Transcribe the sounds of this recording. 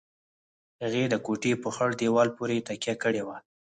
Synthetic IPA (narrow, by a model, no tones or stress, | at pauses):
haɣed̪əkoʈepəxəɽd̪ewɑlpoɾet̪akjakəɽewa